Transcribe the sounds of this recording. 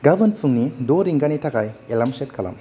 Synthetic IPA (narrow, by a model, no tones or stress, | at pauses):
ɡabɐnpʰuŋnidoɾiŋɡanitʰaɡajelamset̚kʰala̰m